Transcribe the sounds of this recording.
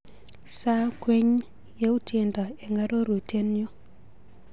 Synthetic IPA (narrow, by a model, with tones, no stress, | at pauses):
sa˦kwe˦ɲ | je˦u˦tʰe˨nda˨ɛ˨ŋa˦ɾo˦ɾo˨te˦njo˦